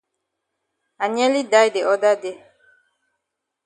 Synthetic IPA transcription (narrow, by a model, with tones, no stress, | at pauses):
a˨ɲɛ̃˦li˦da˦jde˨ɔ˦da˦de˦